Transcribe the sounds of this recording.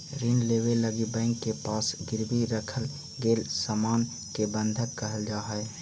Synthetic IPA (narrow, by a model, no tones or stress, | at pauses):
ɾinleːweləɡibɛ̃ːŋkːepaːsɡɪɾbiɾəkʰəl | ɡeːlsaːmaːn | kebə̃nd̪ʱəkːəɦəld͡ʒaːɦɛ